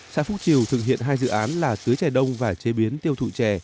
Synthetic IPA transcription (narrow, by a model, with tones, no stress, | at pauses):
sa̰ː˧˥fʊ˦˥t̚t͡ɕi˨˩əwt̪ʰɨ˨˩k̚ɦḭ˧˨ənɦaː˧jzɨ̰˧˨ʔaː˨˦nlaː˨˩t̪ɨ˨˦əjt͡ɕɛ˨˩ɗə˧wŋ͡mvaː˨˩t͡ɕe˨˦ɓi˨˦ənt̪i˧əwt̪ʰṵ˧˨t͡ɕɛ˧˩